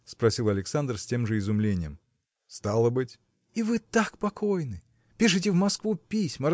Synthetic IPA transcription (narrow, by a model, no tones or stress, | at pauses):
spɾɐsʲilˠɐlʲɪksand̪rsʲtʲe̞mʐɨɪzʊmlʲenʲɪjəm | st̪alˠəbɨtʲ | ivɨt̪akpɐkʰojnɨ | pʲiʂɨtʲɪvmɐskvupʲisʲməɾ